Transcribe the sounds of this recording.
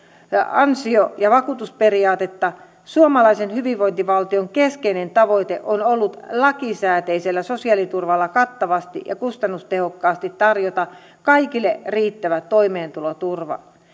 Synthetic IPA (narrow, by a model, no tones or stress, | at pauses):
ɑnsiojɑʋɑkuːt̪usperiɑːt̪et̪ːɑ | suomɑlɑisenhyʋiʋʋoint̪iʋɑlt̪ioŋkeskeinent̪ɑʋoit̪eʔonolːut̪lɑkisæːt̪eiselːæsosiɑlit̪urʋɑlːɑkɑt̪ːɑʋɑst̪ḭʔjʔɑ̰kust̪ɑnːust̪ehokːɑːst̪it̪tɑrjot̪ɑ | kɑikilːeriːt̪ːæʋæt̪oimeːnt̪ulot̪urʋɑ̰